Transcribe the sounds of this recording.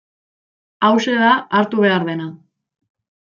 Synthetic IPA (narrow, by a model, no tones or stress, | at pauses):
awse̞ðaaɾt̪uβ̞e̞aɾðe̞na